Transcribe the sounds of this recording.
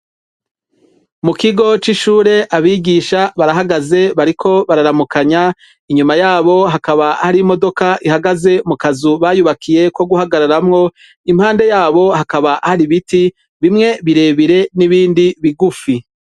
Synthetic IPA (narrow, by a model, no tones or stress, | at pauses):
mukiɡo̞t͡ʃiʃuːɾe̞ʔaβiːɡiʃaβaɾaɦaɡaze̞βaɾikʰo̞βaɾaɾamukaɲa | iɲumajaːβo̞ɦakaβahaɾimo̞do̞kaʔihaɡaze̞mukazuβajuβakʰije̞kwo̞ɡuɦaɡaɾaɾamŋo̞ | imhaːnde̞jaːβo̞ɦakaβahaɾiβiti | βimŋe̞βiɾe̞ːβiɾe̞niβiːndiβiɡufi